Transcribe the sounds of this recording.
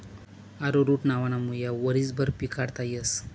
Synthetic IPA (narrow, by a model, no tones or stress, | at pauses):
aɾoɾuːʈnaʋanamujaʋəɾiːt͡sbʱəɾpikʰaɽt̪ajəs